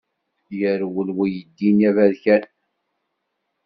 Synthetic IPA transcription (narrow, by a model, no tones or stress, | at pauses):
jəɾwəlwijəd̪ːinjævæðçæn